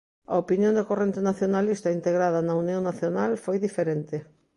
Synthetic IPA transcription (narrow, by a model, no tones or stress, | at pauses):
a̰opinjõnd̪ekorent̪enaθjonalist̪aint̪eɣɾaðanaunjoŋnaθjonalfojðifeɾent̪e